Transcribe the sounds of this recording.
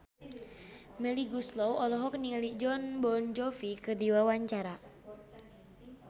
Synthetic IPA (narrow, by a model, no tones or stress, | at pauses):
mɛliɡuslɔwɔlɔɦɔk̚niŋalid͡ʒɔnbɔnd͡ʒɔfikɨrdiwawaɲt͡ʃaɾa